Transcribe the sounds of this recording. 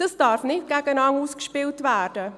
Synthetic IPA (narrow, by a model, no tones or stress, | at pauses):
d̥ɑsd̥ɑːɾfnɪt̚ɡ̥æɡənɑŋuːskʃpɪltvæːɾd̥ə